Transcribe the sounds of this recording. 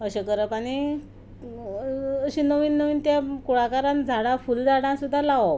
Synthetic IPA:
əɕekəɾəpaɽ̃i | əɕinəʋiːnːəʋiːnt̪jakuɽakaɾãnd͡zʱaɽãfuld͡zʱaɽãsud̪ʱːalaʋo

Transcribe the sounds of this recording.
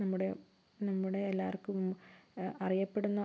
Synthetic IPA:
nɐmːuɽe̞ | nɐmːuɽe̞ːlːaːɐrkːum | ɐrijɐpːe̞ɽunːɐ

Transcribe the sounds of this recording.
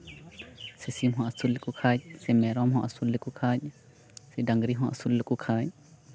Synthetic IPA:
sisimɦɔ̃ɐsulːekukʰac̚sɛmɛɾɔmɦɔ̃ʔɐsulːekukʰac | sɛɖaŋɡɾiɦɔ̃ʔɐ̰sulːekukʰac̚

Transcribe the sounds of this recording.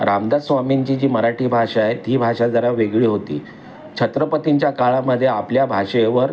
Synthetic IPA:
ɾamd̪asʋamiɲt͡ɕiːd͡ʑiːməɾaʈʰiːbʱaʂajet̪iːbʱaʂad͡zəɾaʋeɡɭiːɦot̪ḭː | t͡ɕʰət̪ɾəpət̪iɲt͡ɕjakaɭaməd̪ʱːjeapljabʱaʂeʋəɾ

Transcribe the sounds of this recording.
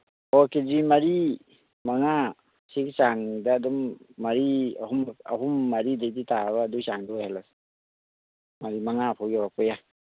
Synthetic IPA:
ɔkezimaɾi | maŋa | siksaŋdaːdɔmːaɾia̰huma̰ɦumːaɾidajditaβaːdusaŋdɔhalas | maɾimaŋapʰawɡabapɔja

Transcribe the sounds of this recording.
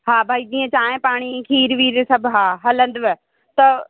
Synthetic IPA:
ɦaːbʱaːid͡ʒ̪ĩːə̃t͡ɕaːɦẽpaːɽ̃ikʰiːɾʋiːɾsɐbʱɦaːɦɐlə̃nd̪ʋe | t̪ɐ

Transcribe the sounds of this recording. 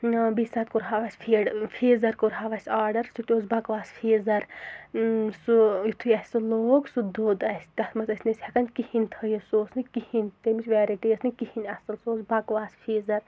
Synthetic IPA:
bisʲsaːt̪̚kuɾɦaʋaːsʲpʰiːɖpʰiːzɐɾkuɾɦaʋasʲaːɾɖɐɾsut̪ʲoːzbakʋaːspʰiːzɐɾ | sujit̪ʰujɐsʲsɨloːksud̪oːd̪ɐsʲt̪ɐt̪mɐt͡sɐsʲnisʲhɐkɐnʲkihinʲt̪ʰəjisoːsnɨkihinʲt̪emisʲʋʲeːɾiʈijɐsnɨkihinʲɐsɐlsoːsbɐkʋaːspʰiːzɐɾ

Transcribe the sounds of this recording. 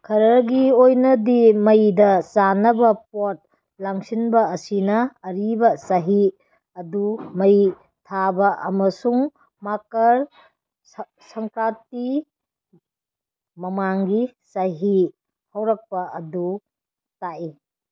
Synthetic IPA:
kʰɐɾɐɡiojnɐdimɐjdɐsanɐbɐp̚ot̚ | laŋsinbɐːsinɐːɾibɐsɐɦi | ɐdumɐj | tʰabɐʔɐ̰mɐsuŋ | makɐɾ | sɐŋkɾat̚i | mɐmaŋɡisɐɦi | hɐwɾɐk̚pɐʔɐdu | taʔi

